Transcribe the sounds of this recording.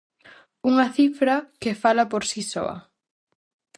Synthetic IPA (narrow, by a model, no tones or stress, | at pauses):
uŋɐθifɾɐkɪfalɐpoɾsisɔ̰ɐ̰